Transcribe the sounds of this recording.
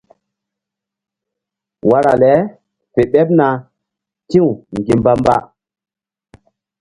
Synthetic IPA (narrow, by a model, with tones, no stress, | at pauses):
wa˦ɾa̰˨lɛ˨˦ | fe˨ɓɛ˦p̚na˨ | tĩ˦wu˨ŋɡi˨mba˦mba̰˦